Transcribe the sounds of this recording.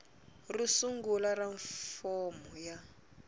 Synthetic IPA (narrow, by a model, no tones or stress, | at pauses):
risuŋɡularaɱfɔmɔja